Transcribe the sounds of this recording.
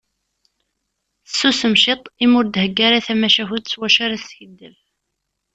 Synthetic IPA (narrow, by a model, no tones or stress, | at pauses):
sːusəmʃet̪ˤimʊɾd̪həɡːaɾaθæmæʃæhud̪swæʃaɾasçəd̪ːəv